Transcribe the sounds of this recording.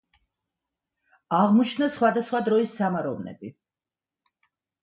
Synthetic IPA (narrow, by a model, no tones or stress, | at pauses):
aʁmɔt͡ʃʰnasχwad̪asχwad̪ɾɔisːamaɾɔvnɛ̰bi